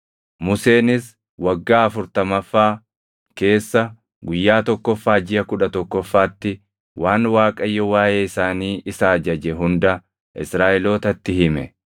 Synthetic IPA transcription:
mʊse̞ːnɪs | wɐɡːaːɐfʊɾt̪ɐmɐfːaː | ke̞ːsːɐ | ɡʊjːaːt̪ɔkːɔfːaːd͡ʒɪjɐkʊᶑɐt̪ɔkːɔfːaːt̪ːɪ | waːnwaːkʼɐjːɔwaːjeːɪsaːniːʔɪsaːd͡ʒɐd͡ʒɛɦʊnd̪ɐ | ɪ̰sɾaːʔɛlo̞ːt̪ɐt̪ːɪhɪmɛ̰

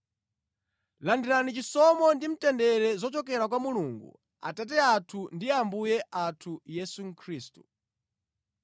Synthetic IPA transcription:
landiɾanit͡ʃisɔmɔndim̩tɛndɛɾɛzɔt͡ʃɔk̬ɛɾakwamuluŋɡṵ | a̰tat̬ɛatʰundiambujɛʔatʰujɛsuŋ̩kʰɾiːstu

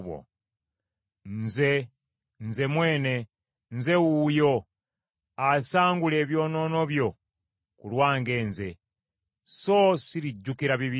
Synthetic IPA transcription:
wo̰ | nze̞ | nze̞mwe̞ːne̞ | nze̞ujo̞ | asaːŋɡule̞ːβjo̞ːno̞no̞βjo̞ | kulwaːŋɡeːnze̞ | so̞siɾiɟːukiɾaβiβi

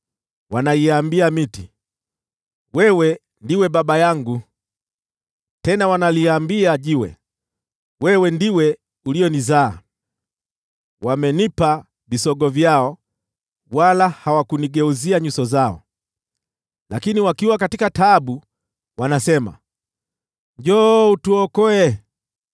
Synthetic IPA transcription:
wanaiambiamiti | wɛwɛ | ndiwɛɓaɓajaŋɡu | tɛnawanaliambiaʄiwɛ̰ | wɛwɛndiwɛ | uliɔnizaː | wamɛnipa | visɔɡɔvjaɔ | walahawakuniɡɛuziaɲusɔzaɔ̰ | lakiniwakiwakatikataɓu | wanasɛma̰ | d͡ʒɔutuɔkɔɛ

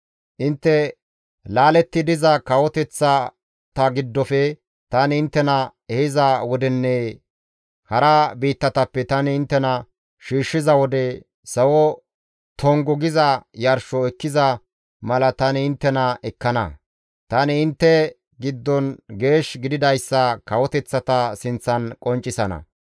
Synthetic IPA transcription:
ʔɪnt̪ːɛ | laːlɛt̪ːɪd̪ɪzɐkɐwɔt̪ɛt͡sːɐ | t̪ɐɡɪd̪ːɔfɛ | t̪ɐnɪɪnt̪ːɛnɐɛhɪzɐwɔd̪ɛnːɛ | hɐɾɐbiːt̪ːɐt̪ɐpːɛt̪ɐnɪːnt̪ːɛnɐ | ʃiːʃːɪzɐwɔd̪ɛ | sɐwɔ | t̪ʰɔŋɡɔɡɪzɐjɐɾʃɔɛkːɪzɐ | mɐlɐt̪ɐnɪɪnt̪ːɛnɐʔɛkːɐnɐ̰ | t̪ɐnɪːnt̪ːɛ | ɡɪd̪ːɔnɡe̞ːʃɡɪd̪ɪd̪ɐjsːɐkɐwɔt̪ɛt͡sːɐt̪ɐsɪnt͡sːɐnkʼɔnt͡ʃʼːɪsɐnɐ̰

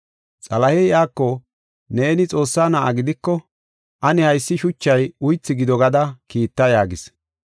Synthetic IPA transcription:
t͡sʼɐlɐhɛjʔaːkːɔ | neːnɪt͡sʼo̞ːsːaːnaʔaɡɪd̪ɪkːɔ | ʔɐnɪhɐjsːɪʃʊt͡ʃːɐjʊjt͡sːɪɡɪd̪ɔɡɐd̪ɐkiːt̪ːɐjaːɡɪs

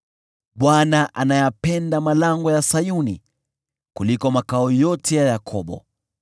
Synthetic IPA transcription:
ɓwanaʔanajapɛndamalaŋɡɔjasajuni | kulikɔmakaɔjɔtʰɛjajakʰɔɓɔ̰

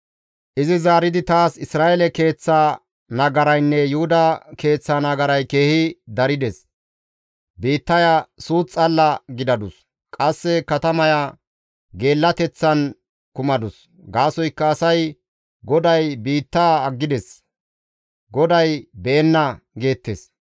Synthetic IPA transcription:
ʔɪzɪzaːɾɪd̪ɪt̪aːsɪsɾaːʔɛlɛke̞ːt͡sːa | nɐɡɐɾɐjnːɛjʊhʊd̪ɐke̞ːt͡sːɐnɐɡɐɾɐjke̞ːhɪd̪ɐɾɪd̪ɛs | biːt̪ːɐjasuːt͡sʼːɐlːɐɡɪd̪ɐd̪ʊs | kʼɐsːɛkɐt̪ɐmɐja | ɡe̞ːlːɐt̪ɛt͡sːɐn | kʊmɐd̪ʊs | ɡaːsɔjkːɐːsɐj | ɡɔd̪ɐjbiːt̪ːaːɡːɪd̪ɛs | ɡɔd̪ɐjbeːnːɐɡe̞ːt̪ːes

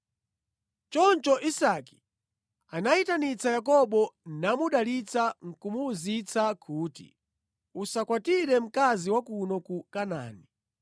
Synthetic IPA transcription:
t͡ʃɔnt͡ʃɔʔisaki̥ | anaitanit͡sajakɔɓɔnamuɗalit͡saŋ̩kumuːzit͡sakʰuːtḭ | usakwatiɾɛm̩kaziwakunɔkukana̰ːni

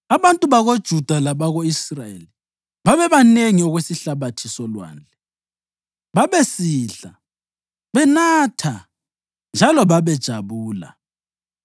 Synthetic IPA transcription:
aβantʼuβaɣod̥ʒ̥ʱud̥ʱalaβaɣoisrajḛli | βaβɛβaneŋiɔɣwesiɬaβatʰisɔlwa̰ːnd͡ɮʱɛ | βaβesiɬa | βɛnaːtʰa | nd͡ʒʱalɔβaβɛd̥ʒ̥ʱaβuːla̰

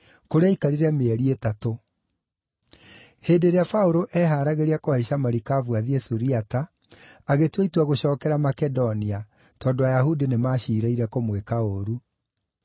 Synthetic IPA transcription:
koɾeaikaɾiɾɛmeɛɾietato | heːndeɾeafaoɾoʔɛɦaːɾaɣeɾiakɔeɕamaɾikavwaðiɛsuɾiata | aɣetweitwaɣoɕɔːkɛɾamakɛdɔnia | tɔːdoajaɦudinemaːɕiːɾaiɾɛkomwekaoɾu

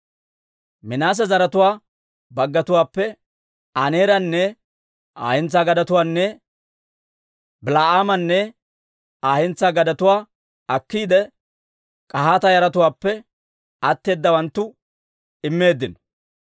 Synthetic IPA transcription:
mɪnaːs̬ɛzɐɾɐt̪ʊwaː | bɐɡːɐt̪ʊwaːpːɛ | ɐneːɾɐnːɛ | a̰ːhɪnt͡sːaːɡɐd̪ɐt̪ʊwaːnːɛ | bɪlaːaːmɐnːɛ | aːhɪnt͡sːaːɡɐd̪ɐt̪ʊwaː | ɐkːiːd̪ɛ | kʼɐɦaːt̪ɐjɐɾɐt̪ʊwaːpːɛ | ɐt̪ːe̞ːd̪ːɐwɐnt̪ːʊ | ɪmːe̞ːd̪ːɪnɔ

